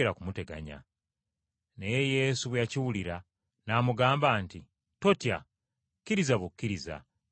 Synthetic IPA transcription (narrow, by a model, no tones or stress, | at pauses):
eɾakumute̞ɡa̰ɲa̰ | nejeje̞ːsuβwaciwuliɾa | namuɡaːmbaːnti | to̞tja̰ | kːiɾizaβukːiɾiza̰